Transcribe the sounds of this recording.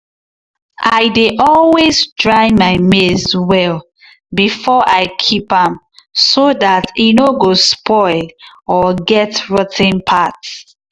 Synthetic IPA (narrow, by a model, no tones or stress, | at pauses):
ʔaɪdeʔɔlwezdɹaɪmaɪmezwɛl | bifɔʔaɪkʰipãm | sodatinoɡospɔɪlɔɡɛtɹɔtʰɪ̃npʰat